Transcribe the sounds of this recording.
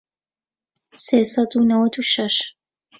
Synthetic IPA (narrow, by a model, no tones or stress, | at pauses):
seːsɐd̪unɐwɐt̪uʃɐʃ